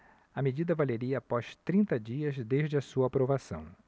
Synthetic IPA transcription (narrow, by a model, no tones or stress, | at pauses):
ɐmed͡ʒid̪ɐvaleɾiɐːpɔst̪ɾĩnt̪ɐd͡ʒiɐzd̪eʒd͡ʒɪɐsuɐapɾovasɐ̰̃w̃